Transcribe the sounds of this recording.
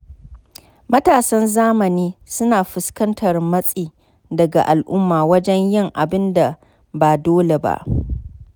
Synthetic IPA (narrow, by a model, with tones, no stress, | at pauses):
mɐ˦taː˨sɐ˦nzaː˦mɐ˨niː˦sʊ˦naː˨ɸʊ˨skɐ˦ntʰɐ˨rmɐ˦sʼiː˨ | dɐ˨ɡa̰˨ʔa˨lʔʊ˦mːaː˨wɐ˦d͡ʒɛ˦ɲjɪ˦ŋʔa˨bɪ˦nda˨ | baː˨doː˦le˨ba̰˦ʔ